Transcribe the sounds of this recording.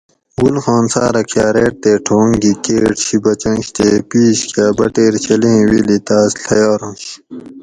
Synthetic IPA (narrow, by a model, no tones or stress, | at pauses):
ɡulxɑːnsaːɾɐkʰjaːɾeːʈ̚t̪eːʈʰoːŋɡikeːʈɕibɐt͡ɕɐ̃ŋɕt̪eːpiːɕkʰjaːbɐʈeːɾt͡ɕʰɐlẽːwilit̪aːsɬʰɐjaːɾõːɕ